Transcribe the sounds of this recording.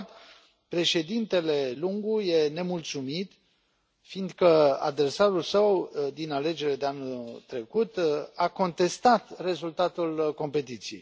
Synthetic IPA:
t̪ | pɾe̞ʃe̞d̪int̪e̞le̞luŋɡuje̞ne̞mult̪sumit̪ | find̪kəa̰d̪e̞rsaɾulsəwd̪inale̞d͡ʒe̞ɾed̪e̞anult̪ɾe̞kut̪ako̞nt̪e̞st̪at̪re̞zult̪at̪ulko̞mpe̞t̪it̪sijḛj

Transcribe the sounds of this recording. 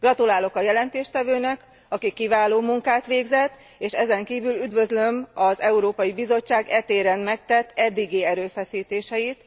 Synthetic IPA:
ɡ̥rɒt̪ulaːlo̞kɒjɛlɛnt̪eːʃt̪ɛvøːnɛk | ɒkikːivaːloːmuŋkaːt̪ʋeːɡzɛt̪ː | eːʃɛzɛŋkiːvylyd̪ʋø̞zlø̞mɒzɛuɾoːpɒjibizo̞t͡ʃːaːɡɛt̪eːɾɛnmɛk̚t̪ɛt̪ːɛd̪ːiɡiːɛɾøːfɛsiːt̪eːʃɛjit̪

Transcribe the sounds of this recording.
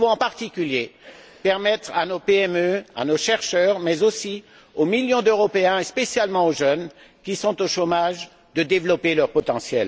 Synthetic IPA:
võɑ̃paʁt̪ikʲyljepɛʁmɛt̪χanopeɛmøa̰noʃɛʁʃœʁmɛzosi | omiljɔ̃d̪øʁɔpeɛ̃espesjalmɑ̃oʒœn | kʲisɔ̃t̪oʃomaʒ | d̪əd̪evlɔpelœʁpɔt̪ɑ̃sjɛl

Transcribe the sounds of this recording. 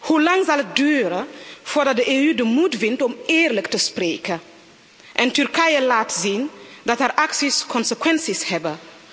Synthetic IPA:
hulɑŋzɑlət̚dyːɾəfoːrdɑt̚dəʔeːyːdəmutvɪntɔmeːrləktəspreːkə | ʔɛntyrkɛjəlaːtziːndɑtɛrʔaksiskɔnsəkwɛnsishɛbə

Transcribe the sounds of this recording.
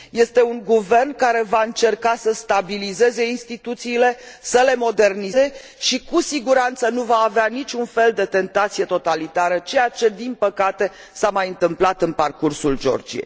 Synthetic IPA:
je̞st̪e̞uŋɡuve̞rnkaɾe̞vaɨnt͡ʃe̞rkasəst̪abilize̞ze̞inst̪it̪ut̪siːle̞səle̞mo̞d̪e̞rnize̞ | ʃikusiɡuɾant̪sənuvaːveanit͡ʃunfe̞ld̪e̞t̪e̞nt̪at̪sije̞t̪o̞t̪alit̪aɾət͡ʃe̞jat͡ʃe̞d̪inpəkat̪e̞ | samajɨnt̪ɨmplat̪ɨnparkursuld͡ʒo̞̰rd͡ʒḭjḛj

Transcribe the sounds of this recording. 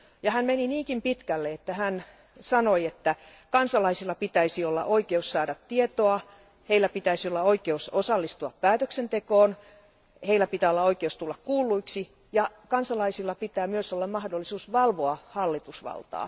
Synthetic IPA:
jɑhænmeniniːkimpit̪kælːeet̪ːæhæn | sɑnoiet̪ːæ | kɑnsɑlɑisilːɑpit̪æisiolːɑ̰ʔoikeussɑːdɑt̪tiet̪oɑ | heilːˑæpit̪æisiolːɑoikeusosɑlːist̪uɑppæːt̪øksent̪ekoːn | heilːˑæpit̪æːolːɑoikeust̪ulːɑkkuːlːˑuiksi | jɑkɑnsɑlɑisilːɑpit̪æːmyøsolːɑmmɑhdolːisuːsʋɑlʋoɑhɑlːit̪usʋɑ̰lt̪ɑ̰ː

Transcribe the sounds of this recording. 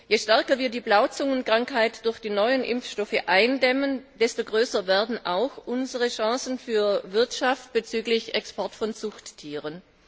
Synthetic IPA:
jeːʃtɛɐkɐviːɐdiːblaʊt͡sʊŋənkʁ̥aŋkhaɪtd̥ʊɐçd̥iːnɔʏənʔɪ̰mfʃtɔfəʔaɪndɛmənd̥ɛstoɡʁøːsɐvɛːɐdn̩ʔaʊxʔʊnzəʁəʃɑ̃ːsn̩fyːɐvɪɐtʃaft̚b̥ət͡syːklɪçɛkspɔɐtfɔnt͡sʊxtʰːiːʁən

